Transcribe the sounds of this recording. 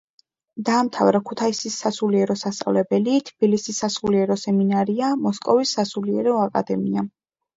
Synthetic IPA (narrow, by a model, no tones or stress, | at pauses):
d̪aːmt̪ʰavɾakʰut̪ʰaisisːasuliɛɾɔsast̪sʼa̰vlɛbɛlit̪ʰb̥ilisisːasuliɛɾɔsɛminaɾiamɔskʼɔvisːasuliɛ̰ɾɛɔakʼa̰d̪ɛmia